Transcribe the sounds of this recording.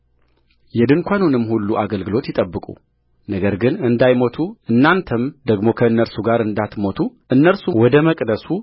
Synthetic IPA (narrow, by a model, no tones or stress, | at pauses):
jɛd̪ɨŋkʷʰanunɨmːhulːuʔaɡəlɡɨlo̞t̪jɪt̪ʼəbːɨkʼṵ | nəɡəɾɡɨnɨnd̪ajmo̞t̪ʰuɨnːant̪ʰəmd̪əɡmo̞kʰəɨnːəɾsuɡaɾɨnd̪at̪mo̞t̪ʰuʔɨnːəɾsuwɔd̪əməkʼd̪əsu